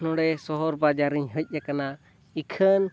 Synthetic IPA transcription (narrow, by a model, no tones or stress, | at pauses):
nɔ̃ɽɛsɔɦɔɾbad͡ʒaɾiɲɦəc̚ˀjakana | ikʰən